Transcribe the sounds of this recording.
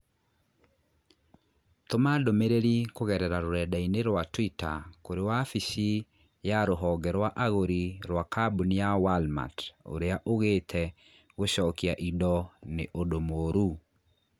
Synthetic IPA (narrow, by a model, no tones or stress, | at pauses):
tomadomeɾeɾikoɣɛɾɛɾaɾoɾɛdaineɾwatwitakoɾewafisi | jaɾoɦɔɡɛɾwaʔaɣoɾiɾwakabunijawalma̰to̰ɾeaʔoɣetʰɛ | ɣoɕɔkiaʔidɔneʔodomoːɾu